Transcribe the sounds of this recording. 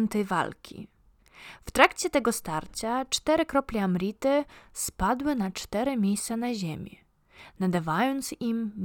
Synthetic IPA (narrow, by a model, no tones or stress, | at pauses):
nt̪ɛjva̰lkʲʰḭ | ft̪ɾakt͡ɕɛt̪ɛɡɔst̪aɾt͡ɕat͡ʂt̪ɛɾɘkɾɔplʲɛamɾʲit̪ɘspad̪wɘnat͡ʂt̪ɛɾɘmʲejst̪sanaʑemʲɛ | nad̪avajɔnt̪sim